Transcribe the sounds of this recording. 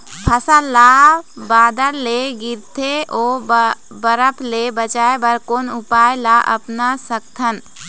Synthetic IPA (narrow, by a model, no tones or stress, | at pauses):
pʰɐsalabaːd̪əɾleɡɪɾt̪ʰeʔoː | bəɾəpʰlebət͡ʃaːebɐɾkoːnʊpaːjlaʔɐ̰pnasɐk̚t̪ʰən